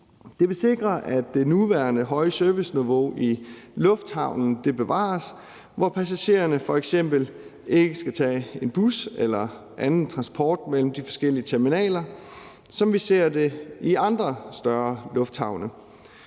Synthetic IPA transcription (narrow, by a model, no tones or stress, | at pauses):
d̥e̝ʋe̝se̝ɡ̥ʁɐʔæd̥ːe̝nuʋæɐnəɦɒ̽ɪəsœɐʋisniʋo̝̰ʔilɔ̽fd̥hɑ̈ʊnn̩d̥e̝b̥e̝ʋɑ̰̈ːs | ʋɒpʰæsæɕe̝̰ːɐnəfɒ̽eɡ̥sem̰b̥l̩e̝ɡ̥əsɡ̥æt͡sʰɛ̰ːe̝nb̥uselɐ | ʔænn̩t͡sʰʁɑ̈nspʰɒːd̥mel̰m̩d̥ifɒ̥̽sɡ̥el̰iət͡sʰeɐminɛ̰ːlɐ | sɒ̽mʋise̝ɐ̰d̥e̝iɑ̈nd̥ʁɐsd̥ɶɐlɔ̽fd̥hɑ̈ʊnə